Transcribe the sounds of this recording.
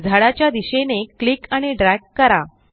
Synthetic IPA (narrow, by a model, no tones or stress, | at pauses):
d͡zʱaɽat͡ɕjad̪iɕeneklikaɽ̃iɖɾækkːəɾa